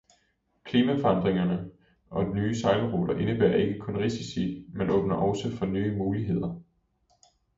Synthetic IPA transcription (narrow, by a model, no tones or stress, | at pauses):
kʰliːmæfɒ̽̈nd̥ʁeŋɐnə | ʔɒ̽d̥inyːsɑ̈ɪləʁoːd̥ɐʔe̝nəb̥æɐ̰e̝ɡ̥əkʰɔ̽nʁisisimenɔ̽ːb̥nɐʔɒʊsəfɒ̽nyːəmuːliɦe̝ð̞̰ˠɐ